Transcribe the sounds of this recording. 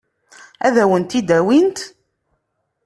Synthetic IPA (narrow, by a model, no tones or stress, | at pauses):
æðæwənt̪id̪æwint̪